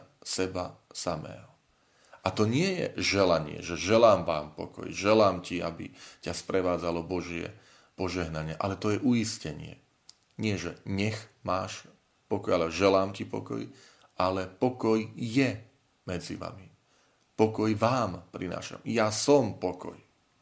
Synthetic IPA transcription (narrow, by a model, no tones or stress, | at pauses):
sɛbasamɛ̰ːɦɔ | ʔat̪ɔɲɪɛjɛ̰ʒɛlaɲɪɛ̰ʒɛʒɛlaːmʋaːmpɔ̰kɔ̰jʒɛlaːmcia̰bḭcaspɾɛʋaːd͡zalɔbɔʒɪɛ̰ | pɔʒɛɦnaɲɪɛʔalɛt̪ɔjɛʔuiscɛɲɪɛ̰ | ɲɪɛʒɛɲɛxmaːʃ | pɔkɔjalɛɔʒɛlaːmcipɔ̰kɔ̰j | ʔalɛpɔkɔjjɛ | mɛd͡zḭʋa̰mi | pɔkɔjʋaːmpɾina̰ːʃa̰mjasɔmpɔkɔ̰j